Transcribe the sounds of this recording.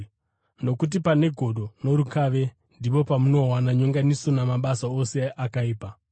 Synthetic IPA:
no̞kut̬ipane̞ɡʱo̞ɗo̞no̞ɾukaːʋe̞ | ndipo̞pamuno̞ɦwanaɲoŋɡaniso̞namaɓasaose̞ʔakaiːpa

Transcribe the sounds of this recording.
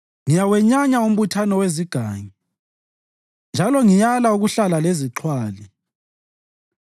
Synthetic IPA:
ŋijawɛɲaɲaum̩βutʰanɔweziɡ̥ʱaːŋi | nd͡ʒʱalɔŋijalauɣuɬalaleziǁʰwaːli

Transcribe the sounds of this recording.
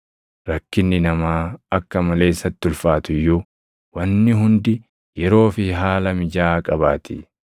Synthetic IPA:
ɾɐkːɪnːɪnɐmaːɐkːɐmɐle̞ːɪsːɐt̪ːʊlfaːt̪ʊjːu | wɐnːɪɦʊnd̪ɪ | jɛɾo̞ːfɪɦaːlɐmɪd͡ʒaːkʼɐbaːt̪ɪ

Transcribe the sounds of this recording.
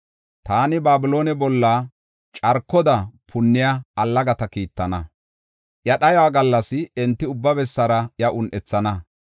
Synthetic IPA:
t̪aːnɪbaːbɪloːnɛbɔlːa | t͡ʃʼɐɾkːɔd̪ɐpʰʊnːɪjɐːlːɐɡɐt̪ɐkiːt̪ːɐnɐ | ʔjɐɗɐjwaːɡɐlːɐsɪɛnt̪ːɪʊbːɐbɛsːɐɾɐjɐʔʊnʔɛt͡sːɐnɐ

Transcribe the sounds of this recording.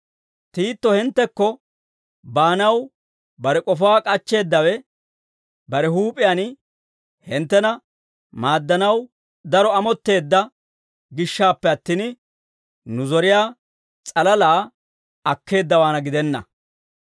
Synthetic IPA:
t̪iːt̪ːɔhɪnt̪ːɛkːɔ | baːnɐw | bɐɾɛkʼɔfaːkʼɐt͡ʃːe̞ːd̪ːɐwɛ | bɐɾɛɦuːpʼɪjan | hɪnt̪ːɛnɐ | maːd̪ːɐnɐw | d̪ɐɾɔɐmɔt̪ːe̞ːd̪ːɐ | ɡɪʃːaːpːɛɐt̪ːiːn | nʊzɔɾɪjaː | t͡sʼɐlɐlaː | ɐkːe̞ːd̪ːɐwaːnɐɡɪd̪ɛnːɐ̰

